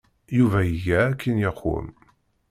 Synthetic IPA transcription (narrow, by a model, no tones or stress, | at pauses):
juvæjəʝæːkːinjəqːʊ̰m